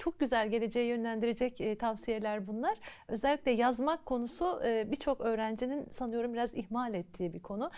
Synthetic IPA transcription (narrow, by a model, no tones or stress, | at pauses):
t͡ʃʰo̞k̚ɟyzælʲɟe̞lʲe̞d͡ʒe̞jijø̞nlʲænd̪iɾed͡ʒɛcːt̪ʰavsije̞lʲæɾbunlˠaɾ̥ø̞zɛlʲːiclʲɛjazmakʰːo̞nusubit͡ʃʰo̞kø̞ːɾænd͡ʒininsanɯjo̞ɾumbiɾazihmalʲɛt̪ʰːiːbikʰo̞nu